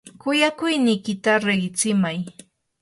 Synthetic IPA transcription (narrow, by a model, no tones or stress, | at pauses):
kʊjakʊjnɪjkɪt̪aɾeɢɪt͡sɪmaj